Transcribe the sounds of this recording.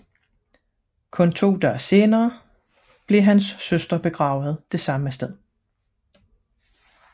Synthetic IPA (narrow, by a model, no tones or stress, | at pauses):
kʰɔ̽nt͡sʰo̝̰ːd̥œ̰ːɐse̝ːnɐː | b̥le̝ɦænsːøsd̥ɐb̥e̝ɡ̥ʁɑ̈ːʊð̞̩ˠd̥e̝sɑ̈məsd̥eð̞̰ˠ